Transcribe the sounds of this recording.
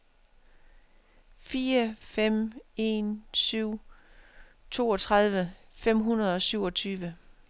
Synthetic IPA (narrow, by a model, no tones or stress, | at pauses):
fiːɐfem̰e̝̰nsyʊ̰ | t͡sʰo̝ːɒ̽t͡sʰʁɑð̞ˠʋəfem̰ɦunɐð̞̩ˠɒ̽syʊɒ̽t͡sʰyːʋə